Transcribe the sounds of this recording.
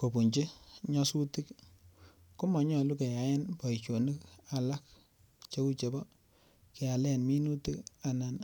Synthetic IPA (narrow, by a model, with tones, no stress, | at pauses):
ko˨pu˨ɲt͡ʃi˦ɲɔ˦su˦ti˦k | kʊ˦mɔ˨ɲɔ˨lu˦ke˨ja˨˦ja˦npɔ˨i˨t͡ʃo˨ni˦ka˨la˦k̚ | t͡ʃe˦ku˦t͡ʃe˨bɔ˦ | kɛ˨a˨lɛ˦˨nmi˦nu˦ti˦ka˨na˨n